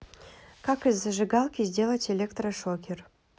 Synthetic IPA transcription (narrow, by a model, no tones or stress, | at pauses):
kɑkɨzəʐɨɡɑlˠkʲizʲdʲelˠətʲelʲekt̪rəʂokʲer